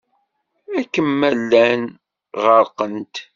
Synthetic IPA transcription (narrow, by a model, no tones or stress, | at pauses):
ækːəmːælːæn | ʁəɾqənt̪